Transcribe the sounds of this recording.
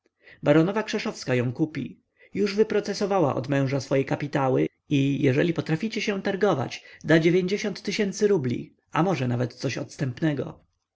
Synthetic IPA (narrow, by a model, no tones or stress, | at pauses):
baɾɔnɔvakʂɛʂɔfskajɔ̃w̃kupʲḭ | juʐvɘpɾɔt̪sɛsɔvawa̰ʔɔ̰d̪mɛ̃w̃ʐasfɔjɛkapʲit̪awɘ | ijɛʐɛlʲipɔt̪ɾafʲit͡ɕɛɕɛ̃t̪aɾɡɔva̰t͡ɕd̪ad͡ʑevʲjeɲd͡ʑeɕɔnt̪ːɘɕɛnt̪sɘɾublʲḭ | amɔʐɛnavɛt̪t̪sɔɕɔ̰t̪st̪ɛmpnɛɡɔ̰